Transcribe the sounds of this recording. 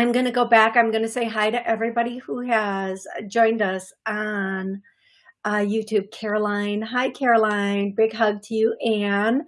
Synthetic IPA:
ãɪ̃mɡʌnɨɡoʊbækãɪ̃mɡʌnɨseɪɦaɪɾɨʔɛvɹibɑɾihuɨzd͡ʒɔ̃ɪ̃ndʌs | n | ʔʌjʉtʰʉb̚kʰɛɹəlãɪ̃nɦaɪkʰɛɹəlãɪ̃nbɪɡɦʌɡ̚tʰɨjʉʔɨ̃n

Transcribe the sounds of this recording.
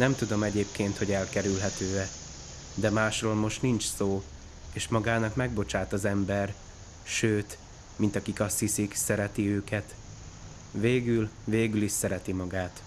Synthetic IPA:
nɛmt̪ud̪o̞mɛɟeːp̚keːnt̪ho̞ɟɛlkɛɾylɦɛt̪øːɛ | d̪ɛmaːʃroːlmo̞ʃt̪nint͡ʃsoː | eːʃmɒɡaːnɒkmɛɡbo̞t͡ʃaːt̪ɒzɛmbɛr | ʃøːt̪ | mint̪ɒkikɒst̪hisiksɛɾɛt̪iøːkɛt̪ | veːɡylveːɡyliʃsɛɾɛt̪imɒɡaːt̪

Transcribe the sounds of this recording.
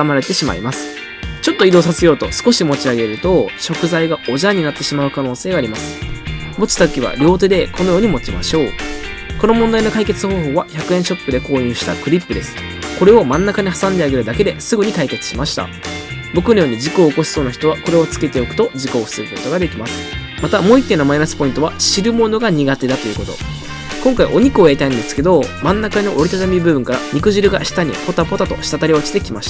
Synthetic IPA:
amaɾe̞t̪e̞ɕima̰ḭmasɨ̥ | t͡ɕo̞t̪ːo̞id̪o̞ːsasejo̞ːt̪o̞̰sɨ̥ko̞ɕimo̞t͡ɕiaɡe̞ɾɯ̟t̪o̞ɕo̞kɯ̟zaiɡao̞ʑaɲ̟inat̪ːe̞ɕimaɯ̟kano̞ːse̞ːɡaːɾʲimasɨ̥mo̞t͡ɕi̥t̪at̪okʲiβ̞a̰ɾʲo̞ːt̪ed̪e̞kʰo̞no̞jo̞ːɲ̟imo̞t͡ɕima̰ɕo̞ː | ko̞no̞mõnd̪aino̞kaike̞t͡sɨho̞ːɦo̞ːβaçakɯ̟ẽ̞ɰ̃ɕo̞pːɯ̟d̪e̞ko̞ːɲɯ̟ːɕi̥t̪a̰kɯ̟ɾʲipːɯ̟d̪e̞sɨ̥ | ko̞ɾe̞o̞mãnːakaɲ̟iɦasãnd̪e̞aɡe̞ɾɯ̟d̪ake̞d̪e̞sɨɡɯ̟ɲ̟ikaike̞t͡sɨ̥ɕimaɕi̥t̪a̰ | bo̞kɯ̟no̞jo̞ːɲ̟id͡ʑikoːko̞sɨ̥so̞ːnaçʲi̥t̪o̞βako̞ɾe̞o̞t͡sɨ̥ke̞t̪e̞o̞kɯ̟t̪o̞d͡ʑiko̞̥ːsɨɡɯ̟ko̞t̪o̞ɡad̪e̞kʲimasɨ̥ | mat̪amo̞ːit̪ːe̞nomainasɨ̥po̞ĩnt̪o̞βaɕiɾɯ̟mo̞no̞ɡaɲ̟iɡat̪e̞d̪at̪o̞jɯ̟ko̞t̪o̞̰ | kõ̞ŋkaiʔo̞ɲ̟ikɯo̞jaɾʲit̪aĩnd̪e̞sɨ̥ke̞d̪o̞mãnːakanoʔo̞ɾit̪at̪amʲibɯ̟bɯ̟̃ŋkaɾa̰ɲ̟ikɯ̟ʑiɾɯ̟ɡa̰ɕi̥t̪aɲ̟ḭpo̞t̪apo̞t̪at̪o̰ɕi̥t̪at̪aɾʲio̞t͡ɕi̥t̪e̞kʲimaɕi̥t̪ḁ

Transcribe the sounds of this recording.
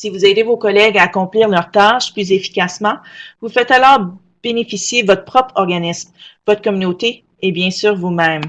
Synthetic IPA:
sivuzɛːd̪evokɔlɛɡaːkɔ̃pliːʁlœʁt̪aʃplyzefi̥kʲasmɑ̃vufɛt̪alɔːʁ | b̥enefisjevɔt̪χəpχɔpχɔʁɡanɪsmvɔt̪χkɔmynot̪eː | bjɛ̃syːʁvumɛ̃m

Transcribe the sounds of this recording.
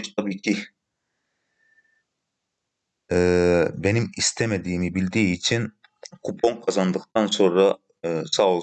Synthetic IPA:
t͡ʃt̪ʰabiːcʰi | ɛbenimist̪ʰɛmed̪iːmibilʲd̪iːt͡ʃʰin | kʰupʰoŋkʰazɑnd̪ɯqt̪ʰɑnso̞nɾɑ | sa

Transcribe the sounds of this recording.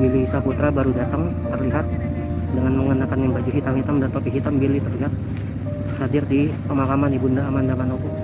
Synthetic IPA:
bilisaput̪ɾabaɾudat̪əŋ | t̪ərliɦat̪̚ | dəŋanməŋənakanjaŋbad͡ʒuɦit̪amhit̪amdant̪opiɦit̪ambilit̪ərliɦat̪̚ | hadɪrdipəmakamanibundaːmandamanoku

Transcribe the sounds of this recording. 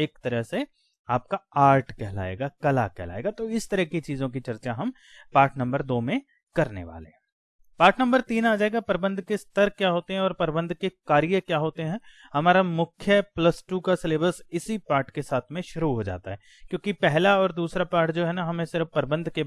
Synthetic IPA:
eːkt̪ɐɾəɦse | aːp̚kaaːɾʈkɛɦla̰ːḛːɡakɐla̰kɛɦla̰ːeːɡat̪oɪst̪ɐɾəɦkit͡ʃiːzõk̬it͡ʃɐɾt͡ʃaɦɐm | paːɾʈnɐ̃mbəɾd̪oːmẽ | kɐɾnḛʋa̰ːlḛɦɛ̃ | paːɾʈnɐ̃mbəɾt̪iːnaːd͡ʒaːeːɡapɐɾbə̃nd̪kest̪əɾkjaːɦoːt̪eɦɛ̃ɔːɾpɐɾbə̃nd̪ʱkekaːɾijəkjaːɦoːt̪eɦɛ̃ː | hɐmaːɾamʊkʰjəplɐsʈuːkasɪleːbəlsɪsipaːɾʈkesaːt̪ʰmẽʃʊɾuɦoːd͡ʒa̰ːt̪aɦɛː | kjõːkipɛɦlaɔːɾd̪uːsɾapaːɾʈd͡ʒoːɦɛnaɦɐmẽsɪɾəfpɐɾbə̃nd̪ʱke

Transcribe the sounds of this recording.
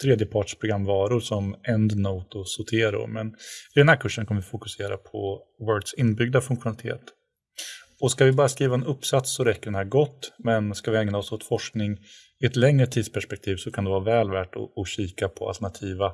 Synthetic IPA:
t̪ʰɾeːd̪jəpʰɑːʈʂpʰɾʊɡɾamːvɑːɾʊɾʂɔmɛnd̪noːt̪ɔsʊt̪ʰeːɾʊ̰ɾmɛnɪd̪ɛnhæːɾkʰɵʂːənkʰanəvɪfʊkɵ̥seːɾapʰɔ | wœːɖsɪnːbʏɡ̚d̪afɵŋkɧʊnalɪt̪ʰḛːt̪ | ɔskavɪbɑːɾaskɾiːvaɛnɵpːsat̪sːɔɾɛkːəɖɛnhæːɾɡɔt̪ːmɛnskavɪɛŋnaɔsɔt̪fɔʂknɪŋ | ɪɛt̪lɛŋɾət̪ʰiːd̪spʰæʂpɛk̚t̪ʰiːvsɔkʰand̪ɛvɑɾavɛːlvæːʈɔ̰ɔɕiːkapʰɔa̰lt̪ɛɳat̪ʰiːva

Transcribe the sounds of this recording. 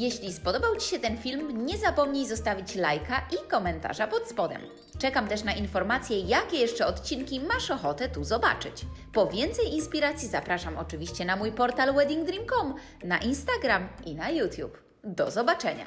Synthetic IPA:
jeɕlʲispɔd̪ɔbawt͡ɕi̥ɕɛt̪ɛnfʲilmɲɛzapɔmɲejzɔst̪avʲit͡ɕlajkaʔikɔmɛnt̪a̰ʐapɔt̪spɔd̪ɛ̰m | t͡ʂɛkamt̪ɛʂnaʔinfɔɾmat̪sʲjɛjakʲɛjɛʂt͡ʂɛɔt̪t͡ɕinkʲimaʂɔxɔt̪ɛt̪uzɔba̰t͡ʂɘ̰t͡ɕpɔvʲjɛnt̪sɛjinspʲiɾat̪sʲjizapɾaʂamɔt͡ʂɘvʲiɕt͡ɕɛnamujpɔɾt̪alwɛd̪ʲiŋɡd̪ɾʲimkɔm | naʔinst̪aɡɾamʔinajut̪ʲjup | d̪ɔzɔbat͡ʂɛɲa̰

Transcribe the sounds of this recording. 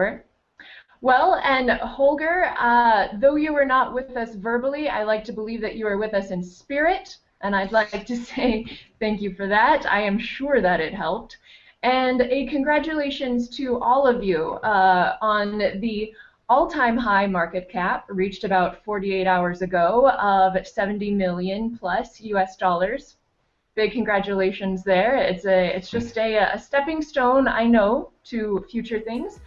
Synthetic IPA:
wɛlˠɨ̃nhoʊlˠɡə˞ʌðoʊjɨwə˞nət̚wɪðʌsvɜ˞bəl̩ˠia̰ɪlaɪk̚tʰɨbəlivðɨt͡ʃɨə˞wɨðʌsɨ̃nspɪɹɪɾ | ʔɨ̃ñaɪdˡlak̚tʰɨseɪθæ̃ŋkjɨfə˞ðæɾa̰ɪɨ̃mʃʊɹðɨɾɪt̚ɦɛlˠp̚t | ɨ̃nɨkʰɨ̃nɡɹæt͡ʃɨleɪʃɨ̃nz̥tʰɨʔɔlˠʌvjʉ | ə̃nnði | ɔlˠtʰãɪ̃mɦaɪmɑɹkɨt̚kʰæp̚ɹit͡ʃtɨbaʊtfɔɹɾieɪɾaʊə˞zɨɡoʊʌv̥ɨsɛṽn̩timɪlˠjɨ̃npʰl̥ʌsjʉɛsd̥ɔlˠə˞z̥ | b̥ɪɡ̚kʰɨ̃n̩ɡɹæt͡ʃɨleɪʃɨ̃nzðə˞ɪtsɨɪtsd̥ʒ̥ʌstɨɨ̰stɛpɪ̃ŋstõʊ̃na̰ɪnoʊɾʰɨfjʉt͡ʃə˞θɪ̃ŋz̥

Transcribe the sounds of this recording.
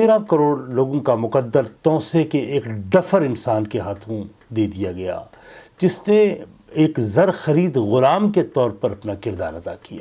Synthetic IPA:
t̪eːɾãkɐɾoːɽloːɡõkamʊqəd̪ːəɾt̪ɔ̃ːsekeeːkɖɐfəɾɪnsaːnkeɦaːt̪ʰõ | d̪eːd̪ijaɡɐja̰ː | d͡ʒɪsne | eːkzɐɾxɐɾiːd̪ɣʊlaːmket̪ɔːɾpɐɾɐpnakɪɾd̪a̰ːɾɐt̪a̰ːkija̰ː

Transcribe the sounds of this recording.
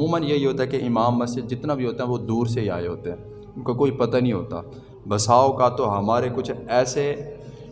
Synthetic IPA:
mũːmənjeɦiɦoːt̪aɦɛkeʔɪmaːmːɐsd͡ʒɪd̪̚d͡ʒɪt̪nabʱiɦoːt̪aɦɛ̃ʋod̪uːɾseɦia̰ːeɦoːt̪eɦɛ̃ː | ʊnkakoːipɐt̪anəɦĩɦo̰ːt̪a̰ː | bɐsaːokat̪oɦɐmaːɾekʊt͡ʃʰɛːse

